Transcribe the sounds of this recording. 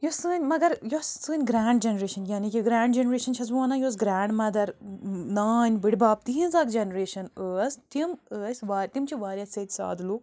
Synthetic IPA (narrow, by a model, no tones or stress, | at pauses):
josɨːnʲmɐɡɐɾjosːɨːnʲɡɾaːɳɖd͡ʒenɾeːʃɐnjaːnikiɡɾaːɳɖd͡ʒenɾeːʃɐnt͡ʃʰɐs̬ʋuɐnãjoːs̬ɡɾaːɳɖmɐd̪ɐɾnaːnʲbɨɽʲbaːp̚t̪ĩɦĩnzaːkd͡ʒenɾeːʃɐnəːsʲt̪iməːsʲʋaːɾʲt̪imt͡ʃʰiʋaːɾʲjɐset̪ʲsa̰ːd̪lu